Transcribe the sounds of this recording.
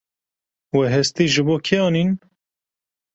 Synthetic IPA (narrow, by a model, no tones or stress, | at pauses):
wɛɦɛst̪iːʒɨboːkʰeɑːnin